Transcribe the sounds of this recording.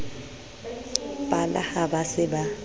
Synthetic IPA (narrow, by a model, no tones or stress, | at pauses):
pʼala̰habasɪba